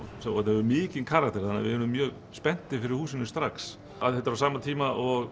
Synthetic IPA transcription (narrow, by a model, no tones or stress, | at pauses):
sɛɛt̪nhɛvʏmɪːcɪnkʰaːɾak̚t̪ɛɾ̥θanːa̰vɪ̰ɛɾʏmːjœːɣ | spɛn̥t̪ɪfɪɾɪɾ̥huːsɪnːɪst̪ɾaks | a̰ðhɛt̪aɾawsaːmat̪ʰiːmaʔɔɣ